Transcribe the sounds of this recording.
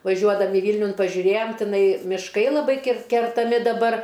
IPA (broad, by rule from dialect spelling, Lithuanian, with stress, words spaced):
ʋɐˈʒʲuɔdɐmʲɪ ˈʋʲiːlʲnʲʊn pɐʒʲʊˈrʲeːjoːm tʲɪˈnɐɪ mʲɪˈʃkɐɪ lˠɐˈbɐɪ kʲɪr kʲɛrtɐˈmʲɪ dɐˈbɐr